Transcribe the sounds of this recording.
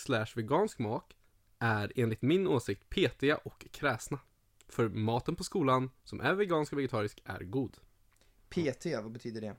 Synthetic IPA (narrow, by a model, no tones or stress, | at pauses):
slæʂvɛɡɑːnskmɑːt̪ | ʔæɾeːnlɪt̪mɪnoːsɪk̚t̪pʰeːt̪ʰɪaʔɔkʰːɾɛːsna | fœɾmɑːt̪ənpʰɔskuːlansɔmʔæ̰ɾvɛɡɑːnskɔvɛɡɛt̪ʰɑːɾɪskæ̰ɾɡuːd̪ | pʰeːt̪ʰevabɛt̪ʰyːd̪əɖɛ